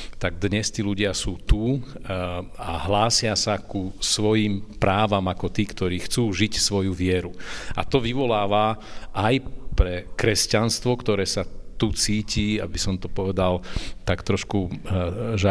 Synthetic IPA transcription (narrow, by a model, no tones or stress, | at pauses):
t̪aɡ̚d̪ɲɛst̪iːluɟɪasuːt̪u | aɦlaːsɪasakusʋɔjiːmpɾaːʋamakɔt̪iːkt̪ɔɾiːxt͡suːʒicsʋɔjuʋɪɛɾua̰t̪ɔʋiʋɔlaːʋaʔajpɾɛkɾɛscanst̪ʋɔkt̪ɔɾɛːsat̪ut͡siːciːa̰bisɔmt̪ɔpɔʋɛd̪alt̪akt̪ɾɔʃku | ʒɛ